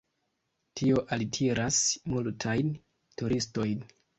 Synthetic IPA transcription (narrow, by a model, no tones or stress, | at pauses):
tʰio̞ʔaltʰiɾasmultʰajn | tuɾisto̞jn